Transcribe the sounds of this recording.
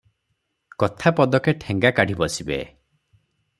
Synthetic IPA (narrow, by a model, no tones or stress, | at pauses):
kɔt̪ʰapɔd̪ɔkeʈʰeŋɡakaɽ̤ʱibɔsibḛ